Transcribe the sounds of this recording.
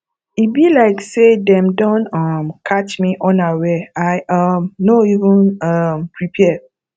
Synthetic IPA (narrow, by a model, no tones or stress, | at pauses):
ibilaɪksedɛ̃mdɔ̃ntʌmkʰat͡ʃmiʔɔ̃nawɛaɪʔʌmnoivə̃nʌmpʰɹipʰɛ